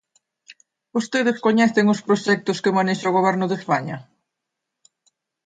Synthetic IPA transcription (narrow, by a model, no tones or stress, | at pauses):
ost̪eðɪskoɲɛθɪŋʊspɾoʃɛk̚t̪ʊskɪmaneʃaʊɣ̞oβ̞ɛɾnʊðespaɲɐ